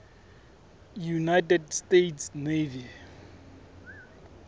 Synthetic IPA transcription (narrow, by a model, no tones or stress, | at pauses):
junajtɛdstetʰsnevia